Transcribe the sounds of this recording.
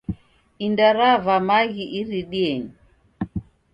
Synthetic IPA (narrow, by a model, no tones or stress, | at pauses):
indaɾavamaɣiʔiɾiɗiɛɲi